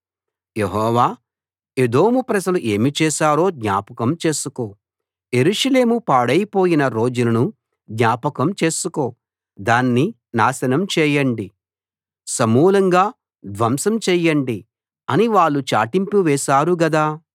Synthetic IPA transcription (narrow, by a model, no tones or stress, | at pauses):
jeɦɔːʋaː | ed̪o̞ːmupɾɐd͡ʒɐluʔe̞ːmit͡ʃɛːʃaːɾo̞ːd̪ɲaːpɐkɐmt͡ʃe̞ːsuko̞ː | je̞ɾuʂɐle̞ːmupaːɽɐjpo̞ːjinɐɾo̞ːd͡ʒulɐnu | d̪ɲʲaːpɐkɐmt͡ʃeːsukoː | d̪aːnːi | naːsɐnɐmt͡ʃɛːjɐɳɖi | sɐmuːlɐŋɡaː | d̪ʋɐmsɐmt͡ʃɛːjɐɳɖi | ɐniʋaːɭːut͡ʃa̰ːʈimpuʋɛːʃaːɾuɡɐd̪aː